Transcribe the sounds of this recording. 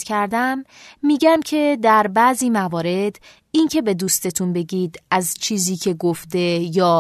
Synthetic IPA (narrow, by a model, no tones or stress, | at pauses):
cʰæɾd̪æmːiːɟæmcʰe̞d̪æɾbæʔziːmævɒːɾe̞d̪ | incʰe̞be̞d̪uːst̪e̞t̪ʰunbe̞ɟiːd̪æzt͡ʃʰiːziːcʰe̞ɡoft̪e̞jɒː